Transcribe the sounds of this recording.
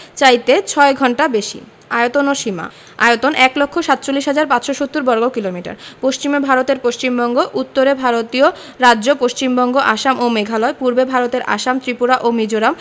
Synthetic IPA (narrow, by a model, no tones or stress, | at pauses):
t͡ɕajt̪et͡ɕʰɔeɡʱɔɳʈabeʃḭ | aeot̪onoʃima̰ | a̰jot̪onʔɛklokʰːoʃat̪̚ːt͡ɕolːiʃɦad͡ʑaɾpat͡ɕʃoʃot̪ːuɾbɔɾɡokilomiʈa̰ɾpoʃt͡ɕimebʱaɾot̪eɾpoʃt͡ɕimbɔŋɡoʔut̪ːoɾebʱaɾot̪io | ɾaːd͡ʑopoʃt͡ɕimbɔŋɡoʔaʃamomeɡʱalɔepuɾbebʱaɾot̪eɾʔa̰ʃamt̪ɾipuɾaʔomid͡ʑoɾam